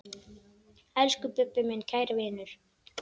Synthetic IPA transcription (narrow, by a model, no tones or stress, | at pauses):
ɛlskʏpʏpːɪmɪncʰaːjɾvɪːnʏɾ̥